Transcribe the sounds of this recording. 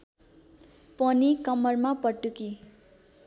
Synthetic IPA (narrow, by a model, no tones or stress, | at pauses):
pʌnikʌmːʌrmapʌʈːuki